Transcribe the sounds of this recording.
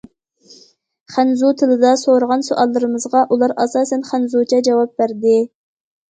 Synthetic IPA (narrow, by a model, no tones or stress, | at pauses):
χænzut̪ʰɪlɪd̪ɑsoɾəʁɑnsuʔɑlˠːɨɾɨmɨzʁɑʔulˠɑɾɑ̰sɑːsɛnχænzut͡ʃʰɛd͡ʒɑwɑp̚bæɾd̪ɪ